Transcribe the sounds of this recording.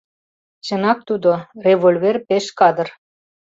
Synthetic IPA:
t͡ɕə̆nɑk̚t̪ud̪oreβolʲverpeʃkɑd̪ə̆r

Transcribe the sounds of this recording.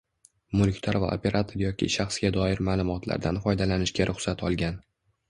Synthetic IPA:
mʊlʲkʲt̪ʰaɾva̰o̰pʰe̞ɾat̪ʰoɾjɒkʲʰɪ̰ʃaχsɡʲad̪ɒɪɾmaːlˠʊmɒt̪ʰla̰ɾd̪anfɒjd̪alanɪʃɡʲaɾʔʊχsat̪ʰɒlˠɡʲan

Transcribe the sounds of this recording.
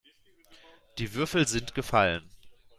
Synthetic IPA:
d̥iːvʏɐfl̩zɪntɡ̥əfalən

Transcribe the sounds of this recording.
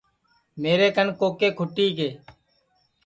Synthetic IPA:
meːɾeːkənkoːkeːkʰʊʈiːkeː

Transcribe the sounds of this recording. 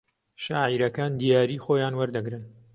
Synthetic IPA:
ʃaːʕiɾɐkaːnd̪ijaːɾiːxoːjaːnwɐɾd̪ɐɡɾɨn

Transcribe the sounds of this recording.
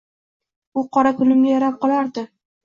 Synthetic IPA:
ʊqʰɒɾat̪ʰʊlɪmɡʲajaɾap̚qɒlaɾd̪ɪ

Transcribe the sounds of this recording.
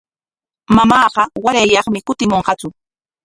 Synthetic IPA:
mamɑːɢɑwaɾajːɑχmɪkʊt̪ɪmoɴɢɑt͡sʊ

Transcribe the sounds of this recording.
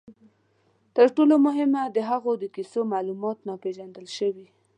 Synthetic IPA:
t̪əɾʈolomʊɦɪmad̪əɦaɣod̪əkisomɑlumɑt̪napeʒand̪əlʃəwi

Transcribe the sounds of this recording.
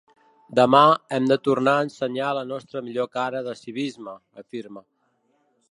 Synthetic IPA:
d̪əmaɛmd̪ət̪urnaənsəɲaələnɔst̪ɾəmiʎokaɾəðəsiβ̞izmə | əfiɾmə

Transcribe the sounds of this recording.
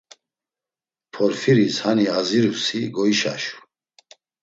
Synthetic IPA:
pʰɔɾfiɾishaniaziɾusiɡɔiʃa̰ʃu̥

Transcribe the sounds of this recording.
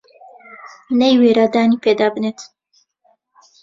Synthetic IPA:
mnejweːɾaːd̪aːnipʰed̪aːbɨneːt̪ʰ

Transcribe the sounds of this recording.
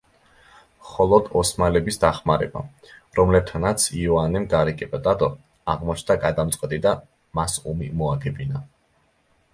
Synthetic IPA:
χɔlˠɔd̪ɔsmalɛbisd̪aχmaɾɛ̰ba̰ | ɾɔmlɛb̚t̪ʰanat̪sʰiɔanɛmɡaɾikʼɛpʼad̪ʼad̪ɔ | aʁmɔt͡ʃʰnd̪aɡad̪amt̪sʼqʼɛt̪ʼid̪a | masumimɔaɡɛbina

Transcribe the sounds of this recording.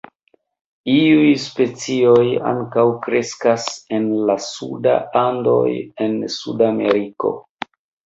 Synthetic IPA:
iujspe̞t͡sio̞ja̰ŋkawkɾe̞skase̞nlasuda̰ando̞̰je̞nsṵdame̞̰ɾiko̞̰

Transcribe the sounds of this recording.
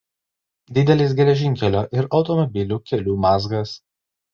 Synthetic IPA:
d̪ʲɪd̪ʲɛlʲɪsɡʲɛlʲɛʒʲɪŋʲkʲɛlʲoːʔɪɾɒʊt̪ɔmɔbʲɪlʲuːkʲɛlʲuːmɑːzɡɐs

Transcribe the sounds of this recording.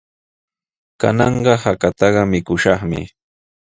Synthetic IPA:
ka̰nɑɴɢɑhakat̪ɑɢɑmɪkʊʃɑχmɪ̰

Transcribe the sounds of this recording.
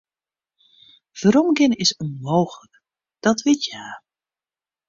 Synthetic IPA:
v̥əɾɔmɡɪnəɪsənmoːxələk | d̥ɔtʋɪtjaː

